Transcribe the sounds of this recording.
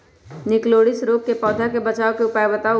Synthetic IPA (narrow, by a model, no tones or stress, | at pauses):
nɪkloːɽɪsɾoːk̚ːepɔːd̪ʱakebɐt͡ʃaːokeʊpaːjebɐt̪aː